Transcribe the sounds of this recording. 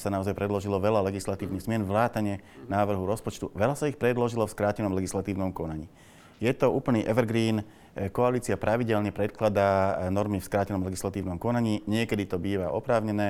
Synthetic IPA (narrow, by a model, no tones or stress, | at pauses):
sanaɔzajpɾɛd̪lɔʒilɔʋɛlalɛɡislat̪iːʊniɣzmɪɛnʋlaːt̪aɲɛnaːʋr̩ɦuɾɔspɔt͡ʃt̪uʋɛlasaixpɾɛd̪lɔʒilɔfskɾaːcɛnɔmlɛɡislat̪iːʊnɔmkɔnaɲiː | jɛt̪ɔuːpl̩niːʔɛʋɛɾɡɾiːn | kɔaliːt͡siapɾʔaʋiɟɛlɲɛpɾɛt̪̚klad̪aːnɔɾmifskɾaːcɛnɔmlɛɡislat̪iːʊnɔmkɔnaɲiːɲɪɛkɛd̪it̪ɔbiːʋaʔɔpɾaːʊɲɛnɛː